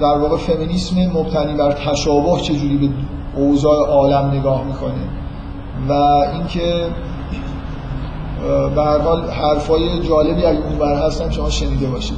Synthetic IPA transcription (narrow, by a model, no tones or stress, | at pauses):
d̪̥æɾvɒːɣe̞fe̞miniːsmemob̥t̪ʰæniːbæɾt̪ʰæʃɒːboht͡ʃʰe̞d͡ʒuːɾiːbe | ozɒːʔeʔɒːlæmne̞ɡɒːhmiːkʰoni | væinkʰe̞ | behæɾhɒːlhæɾfɒːje̞d͡ʒɒːle̞biːæzunvæɾɦæst̪ænʃo̞mɒːʃe̞niːd̪e̞bɒːʃid̪